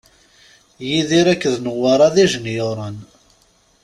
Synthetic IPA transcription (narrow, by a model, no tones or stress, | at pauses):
jiðiɾækːəðnəwːɑɾˤɑðæʒənjoɾˤən